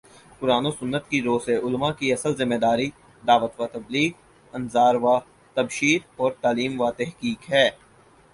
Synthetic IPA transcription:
kʊɾaːnosʊnːət̪kiɾoːseʔʊlmakiɐsəlzɪmːed̪aːɾi | d̪aːʋət̪ʋat̪ɐbliːk | ɐnzaːɾʋa | t̪ɐbʃiːɾɔːɾt̪aːliːmʋat̪ɛɦkiːkɦɛː

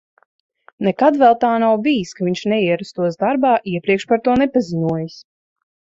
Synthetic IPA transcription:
nɛkad̪vɛlˠt̪aːnawbijiskaviɲʲʃnɛiɛɾast̪uɔsd̪aɾbaːʔiɛpɾiɛkʃpaɾt̪uɔnɛpaziɲuɔjas

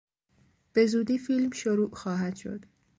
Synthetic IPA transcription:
b̥e̞zuːd̪iːfiːlmʃoɾuːʔxɒːɦæd̪̥ʃo̞̰d̪̥

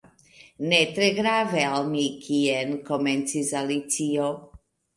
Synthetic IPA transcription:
net̪ɾeɡɾavealmikʰienkoment͡sisalit͡sio

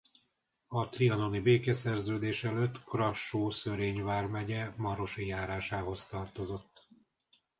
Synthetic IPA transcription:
ɒt̪riɒno̞nibeːkɛsɛrzøːd̪eːʃɛløt̪ːkrɒʃːoːsøɾeːɲvaːrmɛɟɛmɒɾo̞ʃijaːɾaːʃaːɦo̞st̪ɒrt̪o̞zo̞t̪ː

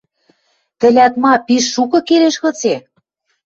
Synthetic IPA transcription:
t̪ɘ̆lʲæt̪mɑpiʃːukɤ̆keɾeʃɣɤ̆t͡se

